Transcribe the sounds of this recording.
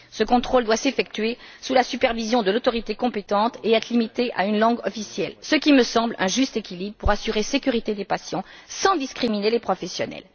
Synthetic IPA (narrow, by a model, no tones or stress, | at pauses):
səkɔ̃t̪χold̪wasefɛk̚t̪ɥesulasypɛʁvizjɔ̃d̪əlot̪ɔʁit̪ekɔ̃pet̪ɑ̃t̪eɛt̪χlimit̪eʔa̰ynlɑ̃ɡɔfisjɛlsəkʲiməsɑ̃blɛ̃ʒyst̪ekʲilibʁəpuʁasyʁesekʲyʁit̪ed̪epasjɑ̃sɑ̃d̪iskχiminelepχɔfɛsjɔnɛ̰l